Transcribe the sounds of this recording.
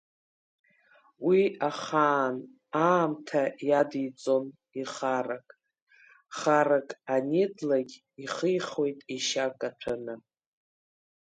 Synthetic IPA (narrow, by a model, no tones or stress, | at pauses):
wiaχaːn | aːmtʰajadijt͡sʼo̞n | iχarakʼ | χarakʼanedlaɡʲ | iχəjχo̞jtʼiʃakʼaʈ͡ʂʷʰɨnɨ